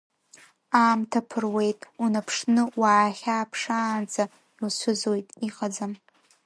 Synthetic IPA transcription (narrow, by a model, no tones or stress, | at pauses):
aːmtʰapʰɨrwe̞jtʼunapʰʂnɨwaːχʲaːpʰʂaːnt͡sʰʼa | ilʃʷʊzojtʼiqʼad͡zam